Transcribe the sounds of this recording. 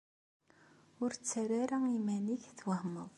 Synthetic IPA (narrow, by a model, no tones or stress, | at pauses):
ʊɾt͡sːæɾæɾæŋimæniçθwahməðˤ